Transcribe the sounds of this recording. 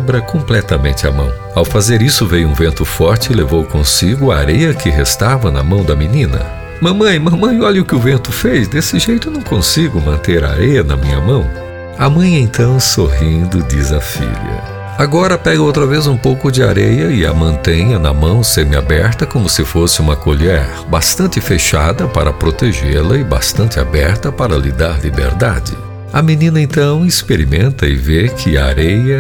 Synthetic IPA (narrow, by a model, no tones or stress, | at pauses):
bɾɐkõmplɛt̪ɐmḛ̃nt͡ʃɪɐ̰mɐ̰̃w̃ | awfazeɾisʊvejʊũvẽnt̪ʊfɔɾt͡ʃɪlevowkõsiɡʊɐa̰ɾejɐkɪɦest̪avɐnɐmɐ̃w̃d̪ɐminĩnɐ̰ | mɐ̃mɐ̃j̃mɐ̃mɐ̃j̃ɔʎɐʊkɪʊvẽnt̪ʊfezd̪esɪʒejt̪ʊnɐ̃w̃kõsiɡʊmɐ̃nt̪eɾa̰ɾejɐnɐmĩɲɐmɐ̃w̃ | ɐmɐ̃j̃ẽt̪ɐ̃w̃soɦĩnd̪ʊd͡ʒizɐfḭʎɐ̰ | aɡɔɾɐpɛɡʊowt̪ɾɐvezũpowkʊd͡ʒɪa̰ɾejɐɪɐ̰mɐ̃nt̪ẽjɐnɐmɐ̃w̃seɾmɪa̰bɛɾt̪ɐkõmʊsɪfosɪũmɐkoʎɛɾbast̪ɐ̃nt͡ʃ̪ɪfeʃad̪ɐpa̰ɾɐpɾot̪eʒeɾlɐɪba̰st̪ɐ̃nt̪ɪa̰bɛɾt̪ɐpaɾɐlḭd̪aɾlibḛɾd̪a̰d͡ʒɪ̰ | ɐminĩnɐẽnt̪ɐ̃w̃ɪspeɾimẽnt̪ɐɪ̰vekʰɪaaɾejɐ